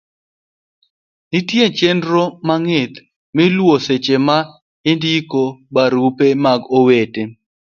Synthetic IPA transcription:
nɪtjet͡ʃendɾomaŋɪt̪ | mɪlwoset͡ʃema | ɪndikobaɾupemaɡowete

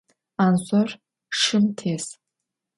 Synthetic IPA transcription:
ansɔr | ʂɨmtʰes

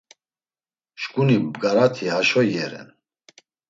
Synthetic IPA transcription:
ʃkʼunibɡaɾat̪ʰihaʃɔjɛɾɛ̰n

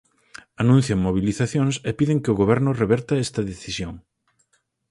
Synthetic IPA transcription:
anũn̟θjɐŋmoβiliθaθjoŋsepiðɪŋkɪʊɣoβ̞ɛɾnʊreβɛɾt̪ɐɛst̪ɐðeθisjoŋ

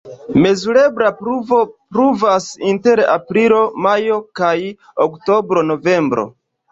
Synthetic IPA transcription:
me̞zuɾe̞bɾapɾuvo̞pɾuvasinte̞ɾa̰pɾilo̞majo̞kaj | okto̞bɾo̞no̞ve̞mbɾo̞̰

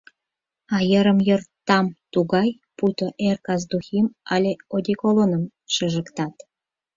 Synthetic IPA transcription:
ɑjəɾəmjort̪ːɑmt̪uɣɑj | put̪oʔerkɑzd̪uximɑlʲeod̪ʲekolonəm | ʃəʒə̆kt̪ɑt̪

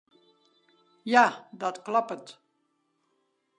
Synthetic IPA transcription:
jad̪at̪klɑpət̪

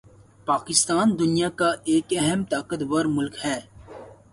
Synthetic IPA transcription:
paːkɪst̪aːnd̪ʊnijakaeːkɛɦɛmt̪aːkət̪ʋəɾmʊlkhɛː

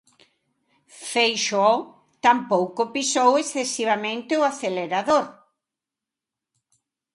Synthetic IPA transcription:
fejʃɔ | t̪ampowkopisowesθesiβ̞amẽnt̪eʊaθeleɾaðoɾ

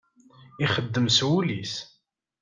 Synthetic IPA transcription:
iχəd̪ːəmswulis

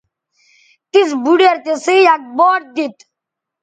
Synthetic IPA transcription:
t̪is̬buɖeɾt̪esijak̚boːʈ̚d̪it̪

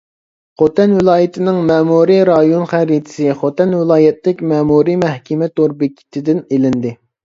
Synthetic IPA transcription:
χot̪ɛnvɪlˠɑːjit̪ʰɪnɪŋmɛːmuɾiɾɑjonχæɾit̪ʰɪ̥sɪχot̪ɛnwɪlˠɑːjɛt̪lɪkʲmɛːmuɾimɛhkʲɛmɛt̪ʰoɾbɪkʲʰːi̥t̪ʰɪd̪ɪnelɪnd̪ɪ

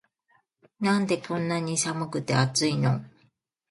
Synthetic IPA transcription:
nãnd̪e̞kʰõ̞nːaɲ̟isamɯ̟kɯ̟t̪eat͡sɨino

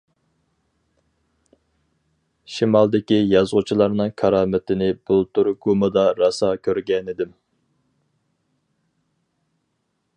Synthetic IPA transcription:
ʃimɑlˠd̪ɪkʲijɑzʁʊt͡ʃʰilˠɑɾnɨŋkʰɑɾɑːmɪt̪ʰɪnɪbulˠt̪ʰuɾɡumɨd̪ɑɾɑsɑːkʲʰøɾɡʲɛnɪd̪ɪm

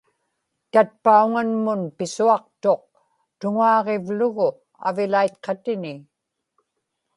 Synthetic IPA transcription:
t̪at̪̚pauŋanmʊnpɪsuɑq̚t̪o̞q̚ | t̪ʊŋaɑːʁevlʊɣʊ | a̰vɪlajt̪qʰɑt̪ɪnɪ

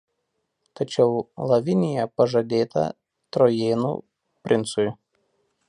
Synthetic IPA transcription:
t̪ɐt͡ʃʲɛʊlˠɐʋʲɪnʲɪjɛpɐʒɐd̪ʲeːt̪ɐ̰ | t̪ɾɔjeːnṵː | pʲɾʲʔɪnt̪sʊj

